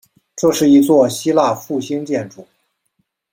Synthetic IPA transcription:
ʈ͡ʂɤ˥˧ʂɻ̩˥˩i˧˥t͡swɔ˥˩ɕi˥la˥˧fu˥˩ɕi˥ŋt͡ɕjɛ˥˩nʈ͡ʂu˥˩˦

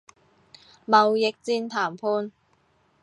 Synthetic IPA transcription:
mɐ˨wjɪ˨k̚t͡siː˧nt̪ʰaː˨˩mpʰuː˧n

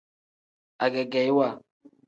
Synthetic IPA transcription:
a˨ɡɛ˨ɡɛ˨jwa˦˨

